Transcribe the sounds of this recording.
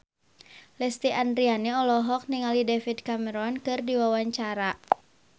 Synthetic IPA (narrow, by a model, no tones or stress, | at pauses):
lɛst̪iʔandɾianiɔlɔɦɔk̚niŋalidefidkamɛɾɔnkɨrdiwawaɲt͡ʃaɾa